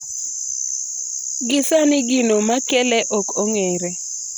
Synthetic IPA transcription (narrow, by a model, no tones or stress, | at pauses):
ɡɪsanɪɡɪnomakɛlɛʔɔkoŋɛɾɛ